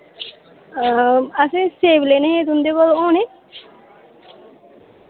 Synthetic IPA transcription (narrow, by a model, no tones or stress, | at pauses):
əsẽseːbleːnẽẽːt̪ʊnd̪eːkɔloːneː